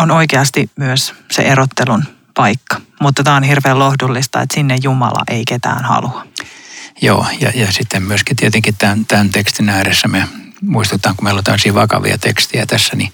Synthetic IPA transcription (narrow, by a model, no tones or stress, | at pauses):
onoikeɑst̪imyøssḛʔerot̪ːelun | pɑikːɑ̥mut̪ːɑt̪æːonhirʋeːlohdulːist̪ɑ̰ḛt̪sinːejjumɑ̰lɑ̰ʔeiket̪æ̰ːnhɑ̰luɑ | jo̰ːjɑ̰jɑsit̪ːemmyøskit̪iet̪eŋkitt̪ænt̪ænt̪ekst̪inæːɾesːæme | muist̪ut̪ːˑɑːŋkumeilont̪æmːsiːʋɑkɑ̰ʋḭɑ̰t̪ekst̪iæt̪æsːæni